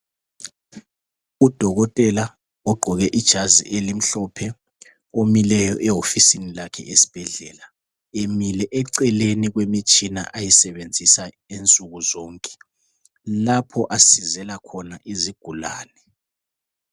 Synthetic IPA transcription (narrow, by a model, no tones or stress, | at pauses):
ud̥ʱɔɣɔtʼɛla | ɔɡ͡ǃʱɔɣɛʔid̥ʒ̥ʱazḭʔelim̩ɬɔpʰɛ | omilɛjɔʔɛɦofisinilakʰɛ̰ʔesi̥b̥ʱɛɮɛːla | emilɛʔɛǀɛleniɣwemit͡ʃʼina̰ʔajisɛβend͡zʱisa | ent͡sʼuɣuzɔːŋkʼɛ̥ | lapʰɔʔasizɛlakʰɔnaʔiziɡ̥ʱula̰ːnɛ